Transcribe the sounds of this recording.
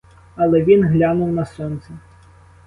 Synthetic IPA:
ɐlˠɛvʲinɣlʲanuwnɐsɔnt̪sɐ

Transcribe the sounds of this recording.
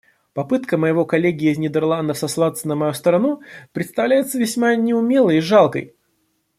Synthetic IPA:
pɐpɨt̪kəməjɪvo̞kɐlʲeɡʲɪɪːznʲɪd̪ʲɪrlˠand̪əfsɐslˠat̪sənəmɐjust̪əɾɐnupɾʲɪt̪st̪ɐvlʲæjɪt̪səvʲɪsʲmanʲɪʊmʲe̞lˠəjɪʐalˠkə̰j

